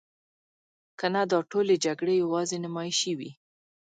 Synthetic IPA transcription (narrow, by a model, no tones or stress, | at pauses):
kanad̪ɑʈoled͡ʒaɡɽejawɑzenɪmɑjʃəwḭ